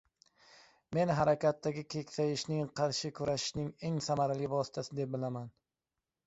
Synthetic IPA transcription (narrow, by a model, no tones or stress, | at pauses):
me̞nɦaɾakʲat̪ːaɡʲɪkʲʰe̞kʲsajɪʃnɪŋqʰɑɾʃɪkʰʊɾaʃɪ̥ʃnɪŋe̞ŋsamaɾalɪvɒsɪ̥t̪ʰasɪd̪e̞p̚bɪlaman